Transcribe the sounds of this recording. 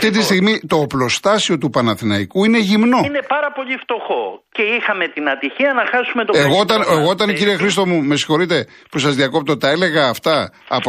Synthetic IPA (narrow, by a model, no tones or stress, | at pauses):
ft̪it̪̬ist̪iɣmit̪o̞ːplo̞st̪ɐsio̞t̪upɐnɐθinɐikuine̞ʝimno̞ine̞pɐɾɐpo̞ʎift̪o̞xo̞̰ce̞ixɐme̞t̪inɐt̪içiɐnɐxɐsume̞t̪oeɣoot̪ɐneɣoot̪ɐnciɾiexɾist̪o̞mume̞si̥xo̞ɾit̪e̞ | pusɐzðiɐko̞p̚t̪ot̪ɐele̞ɣɐːft̪ɐ̰ːp